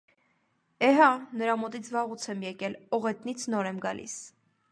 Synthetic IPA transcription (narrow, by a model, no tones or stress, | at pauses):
ɛɦɑnəɾɑmɔt̪it͡sʰvɑʁut͡sʰɛmjɛkɛlɔʁɛt̪nit͡sʰnɔɾɛmɡɑ̰lʔḭs